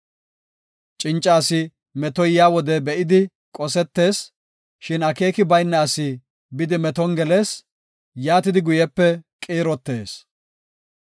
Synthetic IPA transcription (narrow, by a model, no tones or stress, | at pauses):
t͡ʃʼɪnt͡ʃʼːaːsɪ | mɛt̪ɔjjaːwɔd̪ɛbɛʔɪd̪ɪ | kʼɔsɛt̪ːe̞ːs | ʃɪnɐke̞ːkɪbɐjnːɐɐsɪ | bɪd̪ɪmɛt̪ɔŋɡɛle̞ːs | jaːt̪ɪd̪ɪɡʊjɛpːɛkʼeːɾɔt̪ːe̞̰ːs